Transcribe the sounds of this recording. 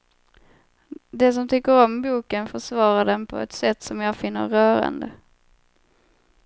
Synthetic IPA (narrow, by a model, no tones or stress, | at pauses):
d̪ɛs̬ɔmt̪ʰʏkːəɾɔmbuːkənfœʂvɑːɾaɖɛnpʰɔ̰ɛt̪sɛt̪ːsɔmjɑːɡfɪnːə̰ɾɾœːɾa̰nd̪ə